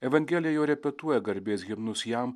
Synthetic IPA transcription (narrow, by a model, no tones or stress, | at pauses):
ɛʋɐŋʲɡʲɛlʲɪjɛjoːɾʲɛpʲɛt̪uɔjɛɡɐɾʲbʲeːsɡʲɪmnʊsʲjæm